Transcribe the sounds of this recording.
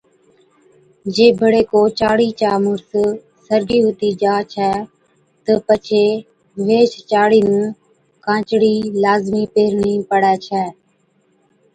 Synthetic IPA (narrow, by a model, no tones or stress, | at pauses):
d͡ʒeːbʱəɽeːkoːt͡ʃaːɽiːt͡ʃaːmʊɾs | səɾɡiːɦʊt̪iːd͡ʒaːt͡ʃʰɛː | t̪əpət͡ʃʰeː | ʋeːt͡ʃt͡ʃaːɽiːnũː | kãːt͡ʃɽiːlaːzmiːpeːɾniːpəɽɛːt͡ʃʰɛː